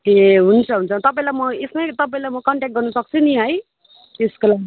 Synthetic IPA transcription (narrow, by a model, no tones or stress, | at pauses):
eɦunt͡sʰʌɦunt͡sʰʌt̪ʌp̬aĩlajmʌesmat̪ʌpaĩlajmʌkʌɳʈek̚ʈ̚ɡʌrnʌsʌk̚t͡sʰuniɦʌj | t̪eskolaɡi